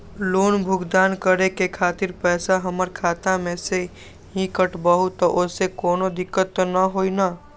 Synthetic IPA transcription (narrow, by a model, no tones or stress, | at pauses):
loːnbʱʊɡd̪aːnkəɾekekʰaːt̪ɪɾpɛːsaɦəməɾkʰaːt̪amẽse | ɦikəʈbəɦut̪ɔʔʊsekoːnod̪ɪkːət̪nəɦoːinaː